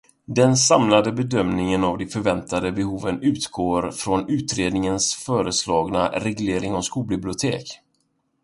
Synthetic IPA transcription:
d̪ɛnsamlad̪əbɛd̪œmnɪŋənavd̪ɛfœɾvɛnt̪ad̪əbɛhuːvənʉ̟ːt̪ɡoːɾfɾɔnʉ̟ːt̪ɾeːd̪nɪŋənsfœːɾəslɑːɡnaɾɛɡleːɾɪŋɔskuːlbɪblɪʊt̪ʰḛːk

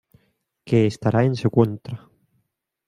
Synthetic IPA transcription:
keːst̪aɾʔaensekwont̪ɾa

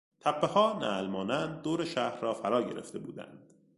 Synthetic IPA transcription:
t̪ʰæpʰːehɒːnæ̰lmɒːnænd̪̚ːoːɾeʃæhɾɒːfæɾɒːɟeɾʔe̞̰ft̪e̞buːd̪æ̰nd̪̥

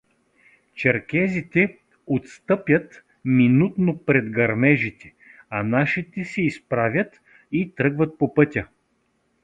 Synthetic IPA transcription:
t͡ʃɛɾkɛzit̪ɛ | ot̪st̪ɤpʲjət̪ | minut̪nopɾɛd̪ɡɐɾmɛʒit̪ɛ̥ | ɐnaʃit̪ɛsɛispɾavʲjət̪ | it̪ɾɤɡvət̪̚popɤt̪ʲə

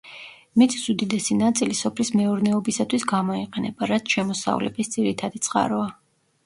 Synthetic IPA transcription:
mit̪ʰʼisud̪id̪ɛsinat̪sʼilisɔpʰlismɛuɾnɛɔbisat̪ʰwisɡamɔiqʼɛnɛbaɾat̪sʰʃɛmɔsa̰vlɛ̰bisd̪ziɾit̪ʰad̪it̪sʼqʼa̰ɾɔa

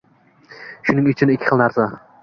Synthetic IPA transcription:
ʃʊnɪŋɪt͡ʃʰɪnɪkʲʰːɪ̥χɨlˠnaɾsa

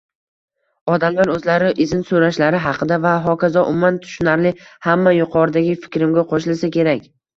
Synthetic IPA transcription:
ɒd̪amlaɾɵzlaɾɪʔɪzɪnsoɾaʃlaɾɪɦɑqʰɨd̪avaɦɒkʲʰazaʔʊmmːant̪ʰʊ̥ʃnaɾlɪhamːajʊqʰɒɾɪd̪aɡʲɪfɪ̥kʲɾɪmɡʲaqʰoʃɪlsakʲe̞ɾakʲ

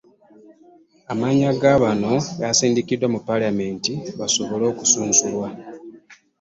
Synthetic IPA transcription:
amaɲaɡaːβano̞jasiːndikidwamupːalame̞ːntiβaso̞βo̞lo̞ːkusuːnsulwa

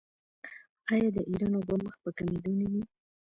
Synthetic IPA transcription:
ɑjɑd̪əʔiɾɑnobaməxpəkamed̪unid̪i

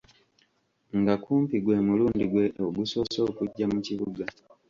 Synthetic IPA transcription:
ŋɡakuːmpiɡwe̞muluːndiɡwe̞oɡuso̞so̞ːkuɟːamuciβuɡa

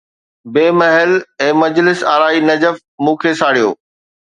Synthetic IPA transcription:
beːmɐɦɪlɛ̃ːmɐd͡ʑlɪsaːɾaːinɐd͡ʑəf | mũːkʰesaːɽijo̰ː

